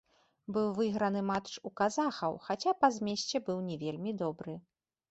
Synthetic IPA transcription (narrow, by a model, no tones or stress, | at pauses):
bɨwvɨɣɾɐnɨmatt͡ʂukazaxɐwxat͡sʲapɐzʲmʲɛɕʲt͡sʲɛbɨwnʲɛvʲelʲmʲid̪ɔbɾɨ